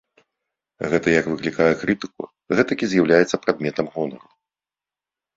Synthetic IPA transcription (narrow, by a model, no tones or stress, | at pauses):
ɣɛt̪ɐjɐkvɨklʲikajɛkɾɨt̪ɨ̥k̚ṵ | ɣɛt̪ɐkʲizʲjawlʲajɛt̪sːɐpɾad̪mʲɛt̪ɐmɣɔnɐɾu